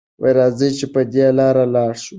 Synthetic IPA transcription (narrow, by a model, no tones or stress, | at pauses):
wajɾɑzəjt͡ʃepəd̪ealɑɾalɑːɽʃu